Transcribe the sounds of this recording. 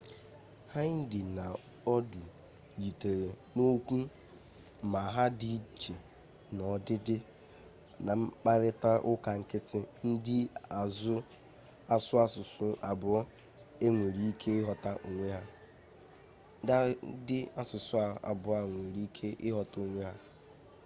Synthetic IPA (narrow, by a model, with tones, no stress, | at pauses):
ha˦n̩˦dɪ˨na˨ | ɔ˦du˨ | ji˨te˨ɾe˨ | no˦kʷu˦ | ma˨ɦa˦di˦t͡ʃe˨ | nɔ˨dɪ˦dɪ˦ | na˨ŋ͡m̩˦k͡pa˦ɾɪ˦ta˦ʔʊ˦ka˨ŋ̩˦˨kɪ˦tɪ˦n̩˦dɪ˦a˨zʊ˦ | a˨sʊ˦a˦˨sʊ˨sʊ˦ʔa˨bʊ˨ɔ˦ | e˦ŋʷe˨ɾi˦i˦kʰe˦ɪ˦ɦɔ˨ta˦ʔo˨ŋʷe˦ɦa˦ | da˦dɪ˦a˦sʊ˨sʊ˦a˨a̰˨bʊ˨a˨ŋʷe˨ɾi˦kʰe˦ʔɪ˦ɦɔ˨to˦ŋʷe˦ɦa˦